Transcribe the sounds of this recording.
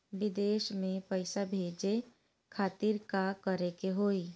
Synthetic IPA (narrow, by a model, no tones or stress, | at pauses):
ʋɪd̪eːʃmẽpəɪsabʱeːd͡ʒe | kʰaːt̪iɾkakəɾekeɦoːi